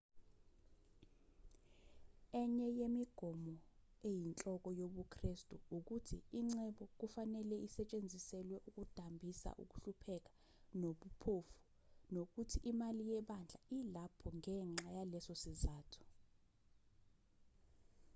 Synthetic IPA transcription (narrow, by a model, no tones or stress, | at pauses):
ɛɲɛjemiɡ̥ʱɔmɔ | ejint͡ɬʼɔk̬ʼɔjoɓukʰristʼuuk̬utʰiiŋ͡ǀɛɓɔk̬ufanɛlɛʔisɛt͡ʃʼend͡zʱisɛlwɛʔuk̬ʼud̥ʱambʱisa̰ʔṵk̬ʼuɬupʰɛk̬ḁ | noɓupʰofu̥ | nok̬utʰiʔimalijɛɓand͡ɮʱailapʰɔŋɛŋ͡ǁajalɛsosizaːtʰu̥